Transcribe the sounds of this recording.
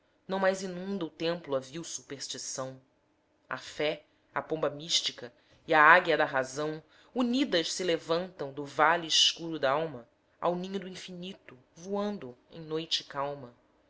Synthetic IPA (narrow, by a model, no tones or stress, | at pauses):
nɐ̃w̃majzinũnd̪ɐʊt̪ẽmplʊɐviwsupeχʃt͡ʃisɐ̃w̃ | ɐ̰fɛ | ɐ̰põmbɐmiʃt͡ʃikɐ | iaaɡjɐd̪ɐɦazɐ̃w̃ | unid̪ɐʃsɪlevɐ̃nt̪ɐ̃w̃d̪ʊvaliːʃkuɾʊd̪aawmɐ | a̰wnĩɲʊd̪uĩfinit̪ʊ | vuɐ̃nd̪ʊḛ̃j̃nojt͡ʃɪkawmɐ